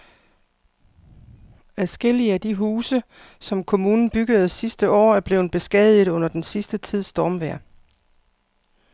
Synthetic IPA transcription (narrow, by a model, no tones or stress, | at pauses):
æðˠsɡ̥el̰iəæd̥iɦuːsə | sɒ̽mkʰo̝muːnn̩b̥yɡ̥əð̞̩ˠsisd̥əʔɒ̰ːæɐb̥le̝ːʊn̩b̥e̝sɡ̥ɛð̰ˠið̩ˠɔ̽n̰ɐd̥ensisd̥ət͡sʰið̞̰ˠsd̥ɒːmʋæɐ̰